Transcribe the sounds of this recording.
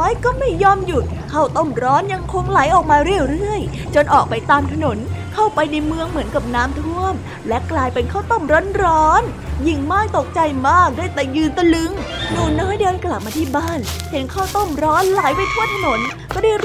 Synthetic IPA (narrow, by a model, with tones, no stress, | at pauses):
jkɔː˥˩ma˥˩jːɔː˧mju˨˩t̪̚kʰa˥˩wt̪o˥˩mɾɔː˦˥nja˧ŋkʰo˧ŋla˨˩˦jʔɔː˨˩k̚maː˧ɾɯ˧˩əwɾɯ˥˩əj | t͡ɕo˧nʔɔː˨˩k̚pa˧jt̪aː˧mt̪ʰa˧no˨˩˦nkʰa˥˩wpa˧jna˧jmɯ˧əŋmɯ˩˦ənka˨˩p̚naː˦˥mt̪ʰu˥˩əm | lɛ˦˥klaː˧jpe˧nkʰaː˥˩wt̪o˧˥˩mɾɔ˦˥nɾɔː˦˥n | ji˨˩ŋmɔː˧˥˩jt̪o˨˩k̚t͡ɕa˧jmaː˥˩k̚daː˥˩˨jt̪ɛ˨˧˩jɯː˧nt̪a˧lɯ˧˦˥ŋnuː˨˩nːɔː˧˥˩jdeː˧nkla˨˩p̚maː˧t̪ʰiː˥˩baː˥˩nhe˨˩˦nkʰaː˥˩t̪o˥˩mɾɔː˦˥nla˨˩˦jpa˧jt̪ʰu˥˩ənt̪ʰa˧no˨˩˦nkɔː˥˩daː˥˩j